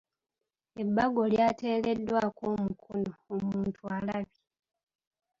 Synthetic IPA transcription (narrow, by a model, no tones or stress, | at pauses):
ebːaɡo̞ljaːte̞ːle̞dːwakomukʰonoomuːntʰualaβi